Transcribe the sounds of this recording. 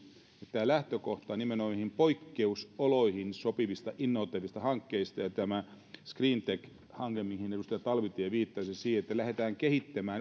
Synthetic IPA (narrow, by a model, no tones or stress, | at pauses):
et̪ːæːlæht̪økoht̪ɑnimenoimihimpoikːeusoloihinsopiʋist̪ɑʔinːoʋt̪ːeʋist̪ɑhɑŋkːeist̪ɑjɑt̪æmæ | skriːnt̪ek | hɑŋɡemihinedust̪ɑjɑt̪ɑlʋit̪ːijɑʋiːt̪ːɑːsesiːheet̪ːælæhet̪æːŋkehit̪ːæmæːn